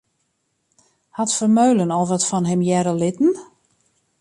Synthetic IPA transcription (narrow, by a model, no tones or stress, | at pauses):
hatfərmøɥlənɔlˠvʋɔtfɔnɦɛmjɛɾəlɪtn̩